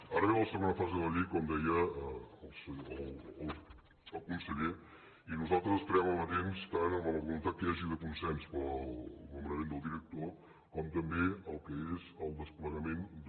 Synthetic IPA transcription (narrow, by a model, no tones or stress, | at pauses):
aɾəβɛləsəmanəfazeðəʎikɔmd̪ɛjəəlˠsələlˠ | əlˠkunsəʎe | inuzalˠt̪ɾəzəspəɾɛməlˠmət̪enst̪anəmələβulunt̪at̪̚kəaʒiðəkunsɛnspɔnəmənəmend̪əlˠd̪iɾək̚t̪o | kɔmt̪əmbeəlˠkəezəlˠd̪əspləɣəmend̪